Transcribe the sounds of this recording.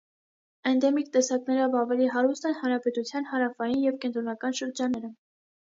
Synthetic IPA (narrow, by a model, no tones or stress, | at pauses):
ɛnd̪ɛmikt̪ɛsɑknɛɾɔvɑvɛliɦɑɾust̪ɛnhɑnɾɑpɛt̪ut͡sʰjɑnhɑɾɑfɑjinjɛvkɛnt̪ɾɔnɑkɑnʃəɾd͡ʒɑnːɛɾə